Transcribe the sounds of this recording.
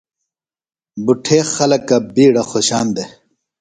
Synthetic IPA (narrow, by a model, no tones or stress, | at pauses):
buʈʰeːxɐlɐkɐbiːɽɐxoɕaːnd̪e